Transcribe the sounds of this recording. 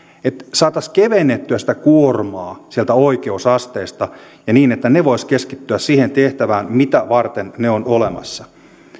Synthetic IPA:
et̪sɑːt̪ɑskeʋenːet̪ːyæsĭ̥t̪ækuormɑːsielt̪æoikeusɑst̪eːst̪ɑ | jɑniːnet̪ːæneʋo̞iskeskit̪ːyæssiːhent̪eht̪æʋæːnmit̪æʋɑrt̪enneonolemɑ̰sːɑ

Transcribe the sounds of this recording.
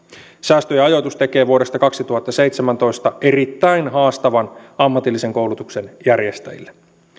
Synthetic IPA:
sæːst̪øjɑɑjot̪ust̪eke̞ːʋuode̞st̪ɑkɑksit̪uhɑt̪ːɑse̞jt̪semænt̪o̞ist̪ɑʔerit̪ːæinhɑːst̪ɑʋɑnɑmːɑt̪ilːise̞ŋko̞wlut̪uksenjærjest̪æ̰jḭlːe

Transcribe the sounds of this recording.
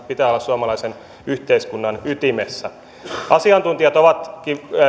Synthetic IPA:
pit̪æːolːɑssuɑmɑlɑisen | yht̪eiskunːɑnyt̪imesːæ | ʔɑsiɑnt̪unt̪iɑt̪oʋɑt̪ki

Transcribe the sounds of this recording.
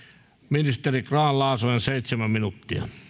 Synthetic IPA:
minist̪erikrɑːllɑˑːsoenseit̪semæmminut̪ːiɑ̰

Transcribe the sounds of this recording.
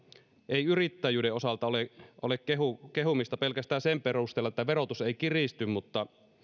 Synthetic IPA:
eiyrit̪ːæjyːdeosɑlt̪ɑoleʔolekeɦukeɦumist̪ɑpelkæst̪æːnsemperust̪elːɑet̪ːæʋeɾot̪useikirist̪ymmut̪ːɑ

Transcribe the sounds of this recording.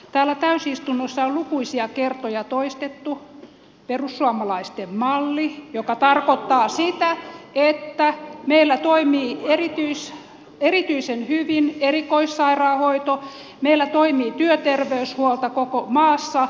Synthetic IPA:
t̪æːlːæt̪æysist̪unːosːɑollukuisiɑkert̪ojɑt̪oist̪et̪ːu | perusːuɑmɑlɑist̪emmɑlːijokɑt̪ɑrkot̪ːɑːsit̪æet̪ːæmeilːæt̪oimiːerit̪yis | erit̪yisenhyʋinerikoissɑirɑːhoit̪o | meilːæt̪oimiːt̪yøt̪erʋeyshuolt̪ɑkokomɑːsːɑ

